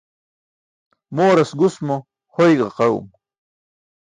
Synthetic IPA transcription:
moːɾɐsɡusmo | hojɡɑqɑṵm

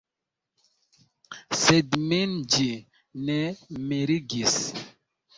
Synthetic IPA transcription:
sedmend͡ʒi | nɛmeɾiɡis

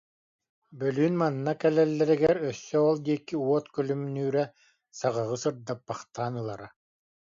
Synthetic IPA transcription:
bœlyːnmanːakɛlɛlːɛɾiɡɛɾœsːœɔlˠd̪iɛkːiuɔt̪kœlymnyːɾɛ | saʁaʁɯsɯɾd̪apːaχt̪aːnɯlˠa̰ɾa

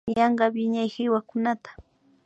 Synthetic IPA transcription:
jɑɴɢɑbɪɲajhɪwakʊnat̪ḁ

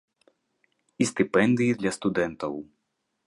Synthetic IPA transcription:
ist̪ɨpɛnd̪ɨjid̪lʲɐst̪ud̪ɛnt̪ɐw

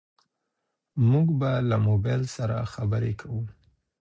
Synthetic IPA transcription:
muɡbalamobajlsaɾa̰xabəɾekʰawu

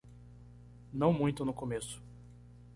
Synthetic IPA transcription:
nɐ̃w̃mũj̃t̪ʊnʊkomesʊ̥

